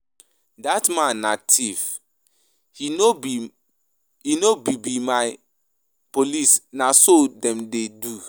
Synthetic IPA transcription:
datmãnːatʰiv | hinobi | hinobibimaɪ | polisnasodɛ̃mdedu

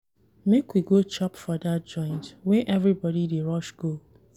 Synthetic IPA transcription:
mekwiɡot͡ʃɔpfɔdat̚d͡ʒɔ̃ɪ̃ntwɛ̃nʔɛvɾibɔɾideɹɔʃɡ̥o

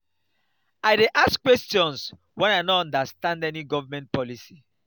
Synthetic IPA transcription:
aɪdeʔaskwɛstjɔ̃ns | wɛ̃naɪnɔtɔ̃ndastãndɛniɡɔvamɛ̃nt̚pɔlisi

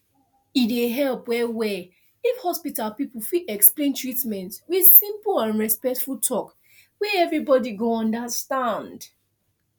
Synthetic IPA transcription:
ideɦɛlpwɛwɛ | ifhɔspitalpipulfiɛksplẽntɹitmɛ̃ntwið̥sĩmplãnɹɛspɛk̚tfultʰɔk | wɛɛvɹibɔdiɡoɔ̃ndəstãnd

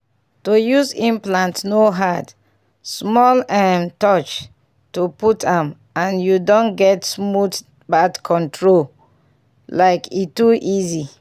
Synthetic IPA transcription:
tojuzĩmplãntnoɦad | smɔlɛmtɔt͡ʃ | tuputʰãm | ãnjudɔ̃nɡɛtsmut | badkʰɔ̃ntɹol | laɪkituʔizi

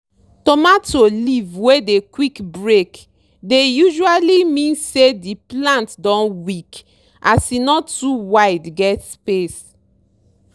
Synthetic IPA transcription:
tɔmatolivwedekwikbɹek | dejuʒualimĩnsediplãntdɔ̃nwik | ʔasinɔtːuwaɪdɡɛtspes

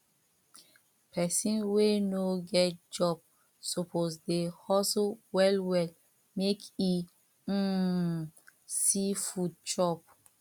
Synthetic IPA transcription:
pʰɛsĩnwenoɡɛt̚d͡ʒɔb̚ | sopʰosdehɔsowɛlwɛl | meki | sifud̚t͡ʃɔp̚

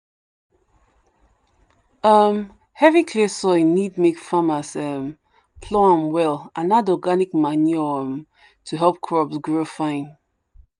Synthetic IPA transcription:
əm | hɛvikʰlisɔinid̚mekfamasəm | pʰlɔãmwɛlãnadɔɡanik̚manuəm | tʰuɦɛlˠp̚kʰɹɔbsɡɹofãɪ̃n

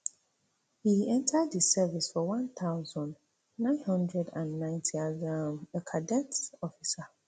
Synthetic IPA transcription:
hiɛ̃ntʰədðəsɛvisfɔwãnθaʊzɔ̃nd | nãɪ̃nhʌ̃ndɹɛdãnːãɪ̃ntʰiazaməkʰadɛtɔfisa

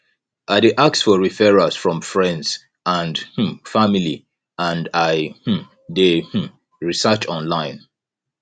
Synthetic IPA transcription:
ʔaɪdeʔak̚sfɔɹifɛɹasfɹɔ̃mfɹɛ̃ndz̥ | ãndh̩famili | ãndaɪh̩ | deh̩ | ɹisɜt͡ʃɔ̃nlãɪ̃n

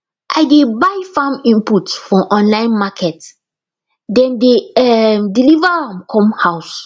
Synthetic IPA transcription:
ʔa̰jdebajfãmĩmputsfɔʔɔ̃nlãɪ̃nmakʰɛt | dɛ̃ndeɛmdilivaãmkʰɔ̃mhaws

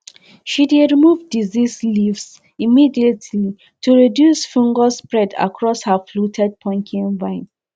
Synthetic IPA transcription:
ʃideɹimuvdizislivs | imidietʰli | tʰuɹidjusfũŋɡɔspɹɛda̰kʰɹɔshəflutʰɛd̚pʰɔ̃ŋkʰĩnvãɪ̃n

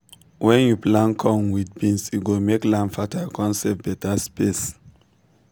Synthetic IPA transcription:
wɛ̃njuplãnkʰɔ̃ŋwidbĩnsjuɡomeklãnfatʰakɔ̃nsɛp̚bɛtʰaspes

